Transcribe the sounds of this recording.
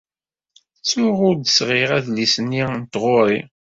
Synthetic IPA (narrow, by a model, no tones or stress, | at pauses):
t͡sːʊʁʊɾd̪əsʁɪʁæðlisənːint̪ʁʊɾi